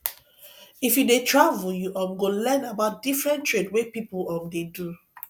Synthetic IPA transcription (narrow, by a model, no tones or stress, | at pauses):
ifjudetɹavujuʔɔ̃mɡolɛnabaʊt̚difɹɛ̃ntɹedwepipuɔ̃mdedu